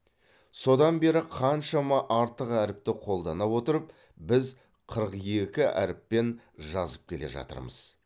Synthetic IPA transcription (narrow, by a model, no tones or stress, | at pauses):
so̞d̪ɑnbe̞ɾɪqʰɑnʃɑmɑʔɑɾt̪əqæɾɪp̚t̪ɪqʰo̞lˠd̪ɑnɑwo̞t̪əɾəp̚ | bɪz | qʰəɾəqje̞kʲɪæ̰ɾɪpːe̞n | ʒɑzəp̚kʲʰe̞le̞̰ʒɑ̰t̪ə̰ɾmə̰z̥